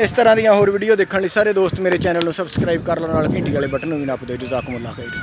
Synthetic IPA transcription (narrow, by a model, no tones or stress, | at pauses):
ɪst̪əɾãːd̪ijãːɦoːɾʋiːɖijoːd̪ɪkʰːənliːsaːɾeːd̪oːst̪meːɾeːt͡ʃɛːnəlnũːsəbskɾaːiːb̚kəɾlãːnaːlkɪ̃ːɳʈiːɡaːleːbəʈənːũːʋĩːnaːpd̪eːd͡ʒʊzaːkmʊlːa̰ːkʰəiːd̪ː